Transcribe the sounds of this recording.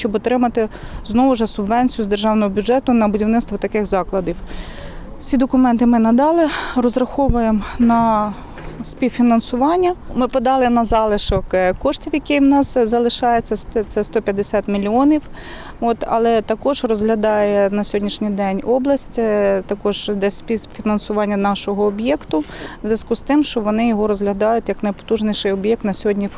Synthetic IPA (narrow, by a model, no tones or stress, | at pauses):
ʃt͡ʃɔbɔt̪ɾɪmɐt̪ɪznɔʋʊʒɛsʊbʋɛnʲt͡sʲijʊzd̪erʒɑwnɔɦɔbʲʊd͡ʒɛt̪ʊnɐbʊdʲiwnɪtst̪ʋɔt̪ɐkɪxzɑklˠɐd̪ʲiw | t͡sʲid̪ɔkʊmɛnt̪ɪmɪnɐd̪ɑlˠɪrɔzɾɐxɔʋʊjemnɐ | sʲpʲiwfʲinɐnsʊʋɑnʲːɐmɪpɔd̪ɑlˠɪnɐzɑlˠɪʃɔkkɔʃtʲiwjɐkɪjwnɑszɐlˠɪʃɑjet͡sʲːɐt̪sɛst̪ɔpʲjɐd̪esʲɑt̪mʲilʲiɔnʲiw | ɔt̪ɐ̰lˠɛt̪ɐkɔʒrɔzɦlʲɐd̪ɑjɛnɐsʲɔɦɔdʲnʲiʃnʲijd̪ɛnʲɔblˠɐsʲtʲt̪ɐkɔʒd̪ɛsʲpʲiwfʲinɐnsʊʋɑnʲːɐnɑʃɔɦɔːbjɛkt̪ʊzʲʋʲɐzkust̪ɪmʃt͡ʃɔʋɔnɪjɔɦɔɾɔzɦlʲɐd̪ɑjʊtʲjɐknɐjpɔ̥t̪uʒnɪjʃɪjɔbjɛk̚t̪nɐsʲɔɦɔdʲnʲi